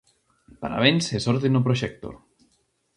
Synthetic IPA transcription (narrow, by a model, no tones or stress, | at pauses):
pa̰ɾa̰βensesoɾt̪̬enupɾoʃek̚t̪o̰